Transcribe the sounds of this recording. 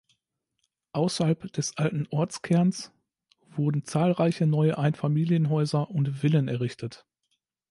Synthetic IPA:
ʔaʊsɐhalpd̥ɛsʔaltn̩ʔɔɐt͡skʰɛɐns | v̥ʊɐdn̩t͡saːlʁaɪçənɔʏəʔaɪnfamiːljənɦɔʏzɐʔʊntv̥ɪlənɛɐʁɪçtʰət

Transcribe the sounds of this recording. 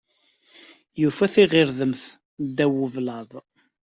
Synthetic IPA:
jufæθiʁɪɾðəmθ | d̪æwəvlɑðˤ

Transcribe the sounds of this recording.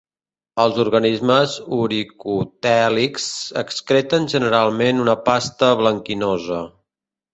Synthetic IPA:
əlˠzuɾɣənizməzuɾikut̪ɛliksəkskɾɛt̪ənʒənəɾalˠmenunəpast̪əβləŋkinɔzə

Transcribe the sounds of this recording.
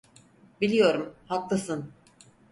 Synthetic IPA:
bilʲijo̞ɾumhak̪lˠasɯn

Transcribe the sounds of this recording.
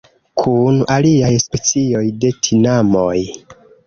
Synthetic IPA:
kʰunaliajspe̞t͡sio̞jde̞tʰinamoj

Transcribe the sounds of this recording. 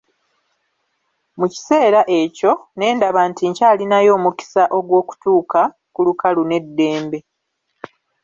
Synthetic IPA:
muci̥se̞ːɾaʔe̞co̞ne̞ːndaβantiɲcaːlinajo̞ːmuki̥saʔo̞ɡwo̞ːku̥tuːka | kulukalune̞dːe̞ːmbe̞

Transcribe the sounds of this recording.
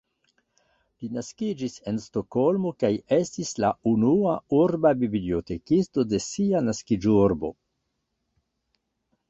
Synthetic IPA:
linaskid͡ʒise̞nsto̞ko̞lmo̞kaje̞stislaunuauɾbabiblio̞te̞kisto̞de̞sianaskid͡ʒuɾbo̞̰

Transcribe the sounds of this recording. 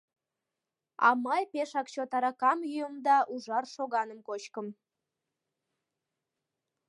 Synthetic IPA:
ɑ̰mɑjpeʃɑkt͡ɕot̪ɑɾɑkɑmjyjəmd̪ɑʔuʒɑrʃoɣɑnəmkot͡ɕkəm

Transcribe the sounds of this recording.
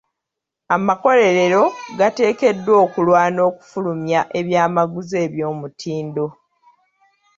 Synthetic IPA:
amako̞le̞ɾe̞ɾo̞ɡate̞ːke̞dːwo̞ːkulwaːno̞ːku̥fulumjaʔe̞βjaːmaɡuze̞ːβjo̞ːmutʰiːndo̞

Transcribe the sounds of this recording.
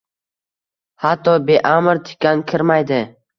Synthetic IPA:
hat̪ʰːɒbeʔamɪɾt̪ʰɪ̥kʲːankʲʰɪɾmajd̪ɪ

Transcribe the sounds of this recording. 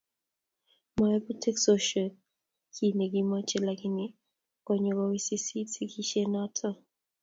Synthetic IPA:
maɛputʰɛksɔʃɔ | kʰinɛɡimɔt͡ʃɛlakini | kɔɲɛkɔwisisitikiʃɛnatʰɔ

